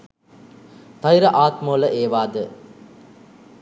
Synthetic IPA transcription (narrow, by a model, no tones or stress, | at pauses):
t̪ɐjɾɐʔaːt̪moːlɐʔeːʋaːd̪ə